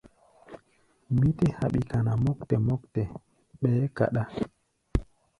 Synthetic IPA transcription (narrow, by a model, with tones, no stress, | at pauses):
mi˦te˦ha˨ɓi˨ka˨na˨mɔ˦kte˨mɔ˦ktɛ˨ | ɓe˨˦ka̰˨ɗa˦